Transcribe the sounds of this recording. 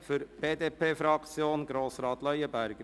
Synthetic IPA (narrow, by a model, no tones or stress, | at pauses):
fʏɾb̥eːd̪eːpʰeːfɾɑkt͡sjoːnɡɾoːsɾɑːt̪lœjəbæɾɡ̥ə